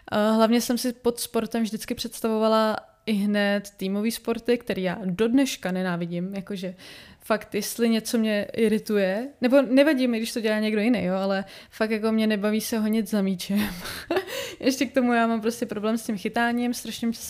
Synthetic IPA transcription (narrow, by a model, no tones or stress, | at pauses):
ʔɦlavɲɛsɛmsɪpo̞t̪spo̞ɾt̪ɛmvʒdɪt͡skɪpr̝̥ɛt̪st̪avovala | ɪɦnɛt̪ːiːmo̞viːspo̞ɾt̪ɪkt̪ɛɾiːja̰ːdo̞dnɛʃkanɛnaːvɪɟɪmjako̞ʒɛfakt̪jɛst̪lɪɲɛt͡so̞mɲɛʔɪɾɪt̪ujɛnɛbo̞nɛvaɟimɪɡdɪʃt̪oɟɛlaːɲɛɡdo̞jɪnejjoalɛfak̚t̪jako̞mɲɛnɛbaviːsɛɦoɲɪt͡szamiːt͡ʃɛm | jʔɛʃcɛk̚t̪o̞mujaːmampɾo̞scɛpɾo̞blɛːmscɪmxɪt̪aːɲimst̪ɾaʃɲɪm